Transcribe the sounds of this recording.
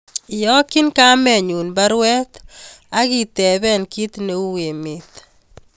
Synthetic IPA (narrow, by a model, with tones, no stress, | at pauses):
ɪ˨jɔ˦kɪ˦nka˦mɛ˨ɲu˨nba˦ɾwɛ˦t̪a˦ɡɪ˨t̪ɛ˨βɛ˦nki˦t̪ne˦u˦we˨mɪ˨t̪